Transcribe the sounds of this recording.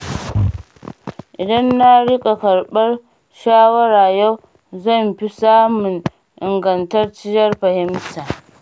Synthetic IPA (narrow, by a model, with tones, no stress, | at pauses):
ʔɪ˨dɐ˦nːa˦ɽɪ˦kʼa˨kɐ˨ɽɓɐ˦r | ʃaː˦wɐ˦ɽaː˨ja˦w | zɐ˦˨mɸi˦saː˦mʊ˨n | ʔɪ˨ŋɡɐ˨ntɐ˦rt͡ʃɪ˦jɐ˦rɸɐ˨hɪ˦mtaː˨